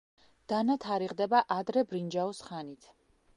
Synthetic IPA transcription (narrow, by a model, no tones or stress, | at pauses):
d̪̥anat̪ʰaɾiʁd̪ɛbaʔad̪ɾɛbɾind͡ʒaɔsχanit̪ʰ